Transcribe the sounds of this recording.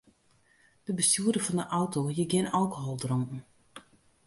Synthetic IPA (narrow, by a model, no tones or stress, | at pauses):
d̥əbəstuədəfɔndəʔɔwtojəɡɪnalˠkoɦɔlˠdrɔŋn̩